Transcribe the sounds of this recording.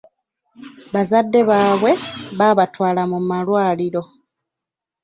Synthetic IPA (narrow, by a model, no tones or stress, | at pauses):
βazadːe̞βaːβwe̞βaːβatwaːlamumalwaːliɾo̞